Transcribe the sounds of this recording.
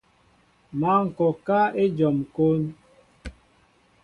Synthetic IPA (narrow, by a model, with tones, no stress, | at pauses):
ma˦ŋ̩˨kɔ˨ka˦e˦d͡ʒɔ˨mko˦n